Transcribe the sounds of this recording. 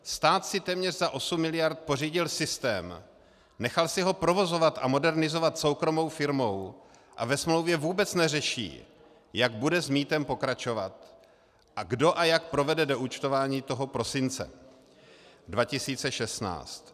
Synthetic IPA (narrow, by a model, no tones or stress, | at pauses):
st̪aːt̪sɪt̪ɛːmɲɛrzaʔo̞sumːɪlɪjaɾt̪̚po̞riːɟɪlsɪst̪ɛːm | nɛxalsɪɦo̞pɾo̞vo̞zo̞vat̪ʔa̰mo̞dɛɾnɪzo̞vat̪so̞wkɾo̞mo̞wfɪɾmo̞w | ʔa̰vɛsmlowvjɛvuːbɛt͡snɛrɛʃḭː | jaɡ̚budɛzmiːt̪ɛmpo̞kɾat͡ʃo̞va̰t̪ | ʔaɡdo̞ʔajak̚pɾo̞vɛdɛdoʔuːt͡ʃt̪ovaːɲiːt̪o̞ɦopɾo̞sɪnt͡sɛ̰ | dvacɪsiːt͡sɛʃɛst̪na̰ːt͡st̪